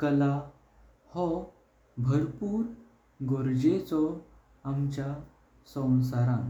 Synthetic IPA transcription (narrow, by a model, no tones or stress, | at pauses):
kəla | hɔ | bʱəɾpuːɾ | ɡoɾd͡ʑet͡sɔ | amt͡ɕja | sə̃w̃saɾãn